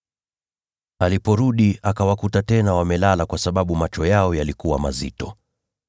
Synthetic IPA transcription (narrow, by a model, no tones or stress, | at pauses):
alipɔɾuɗiakawakutatɛnawamɛlalakwasaɓaɓumat͡ʃɔjaɔjalikuwa̰ma̰zḭtɔ